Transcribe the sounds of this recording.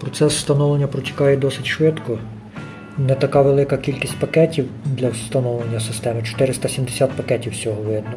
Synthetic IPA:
pɾɔt̪sɛsst̪ɐnɔlˠenʲːɐpɾɔtʲɐ̥kɑjɛd̪ɔsɪtʲʃʋɪt̪kɔ | nɛt̪ɐkɑʋelˠɪkɐkʲilʲkʲisʲtʲpɐkɛtʲiwd̪lʲɐwst̪ɐnɔwlˠenʲːɐsɪst̪ɛmɪt͡ʃɔ̥t̪ɪɾɪst̪ɐsʲimd̪esʲat̪̚pɐkɛtʲiwsʲɔɦɔʋɪd̪nɔ

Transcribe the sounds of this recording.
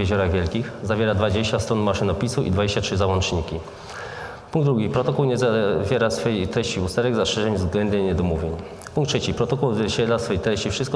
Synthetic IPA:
eʑɔɾaɣvʲjɛlkʲixzavʲeɾad̪vad͡ʑeɕt͡ɕast̪ɾɔnmaʂɘnɔpʲisuʔḭd̪vad͡ʑeɕt͡ɕatʂɘzawɔnt͡ʂɲikʲi | puŋɡd̪ɾuɡʲipɾɔt̪ɔkuwɲɛzavʲjɛɾasfɛjejt̪ɾɛɕt͡ɕiust̪ɛɾɛɡzaʂɛʐɛmʲvzɡlɛnd̪ɛmɲɛd̪ɔmuvʲjeɲ | puŋkt̪ʂɛt͡ɕipɾɔt̪ɔkuwzvʲjɛɕɛlasfɔjejt̪ɾɛɕt͡ɕifʂɘst̪k

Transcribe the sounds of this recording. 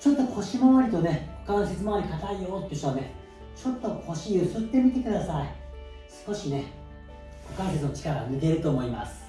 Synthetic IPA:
t͡ɕo̞t̪ːo̞kʰo̞ɕimoβaɾʲit̪o̞ne̞ho̞kano̞set͡sɨmaaɾ̟ʲikat̪aijo̞ːt̪ːeiɕoane̞ | t͡ɕo̞t̪ːo̞kʰo̞ɕiɯsɨt̪ːe̞mʲit̪e̞kɯd̪asai | sɨ̥ko̞ɕine̞ | kokaiset͡sɨnot͡ɕi̥kaɾamʲiɡ̪e̞ɾɯ̟t̪o̞ːmo̞imasɨ̥

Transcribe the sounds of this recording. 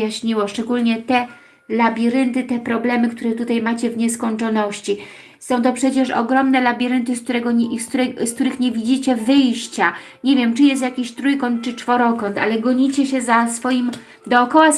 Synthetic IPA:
jaɕɲiwɔʂt͡ʂɛɡulɲɛt̪ɛ | labʲiɾɘnt̪ɘt̪ɛpɾɔblɛmɘkt̪uɾɛt̪ut̪ajmat͡ɕɛvɲɛskɔɲt͡ʂɔnɔɕt͡ɕi | sɔ̃w̃t̪ɔpʂɛt͡ɕɛʂɔ̰ɡɾɔmnɛlabʲiɾɘnt̪ɘsk̚t̪uɾɛɡɔskt̪uɾɛskt̪uɾɘxɲevʲid͡ʑit͡ɕɛvɘjɕt͡ɕa | ɲevʲjɛmt͡ʂɘjɛst̪jakʲiɕt̪ɾujkɔnt̪̚t͡ʂɘt͡ʂfɔɾɔkɔnt̪a̰lɛɡɔɲit͡ɕɛɕɛzasfɔjim | d̪ɔːkɔwa

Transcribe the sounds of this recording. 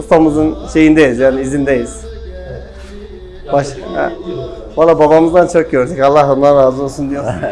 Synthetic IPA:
ust̪amɯzɯnʃe̞jind̪ejizjaːniizind̪ejiz̥ | baʃɛ̰ | valˠːaːbabamɯzd̪ant͡ʃʰok̚ɟøɾd̪ecalˠːaɦonanɾaːzɯo̞lsund̪ijo

